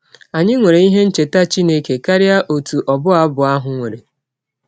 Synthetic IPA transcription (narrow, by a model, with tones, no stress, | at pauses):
a˨ɲɪ˦ŋʷe˨ɾe˨i˦ɦe˦n̩˦t͡ʃe˨ta˦t͡ʃi˦ne˦ke˨ka˦ɾɪ˦a˦ʔo˨tu˨ʔɔ˨bʊ˦a˨˦bʊ˨a˦ɦʊ˨ŋʷe˨ɾe˨